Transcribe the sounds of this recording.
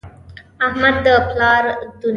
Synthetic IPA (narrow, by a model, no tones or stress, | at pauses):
ahmad̪ːəplɑɾd̪un